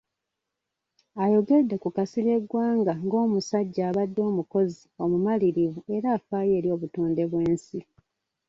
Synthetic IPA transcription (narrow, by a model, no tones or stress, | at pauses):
ajo̞ɡe̞dːekukasiɾe̞ɡwaːŋɡaŋɡo̞ːmusaɟːaːβadːo̞ːmuko̞zio̞mumaliɾivue̞ɾaːfaːje̞ːɾijo̞ːβutuːndeβwe̞ːnsi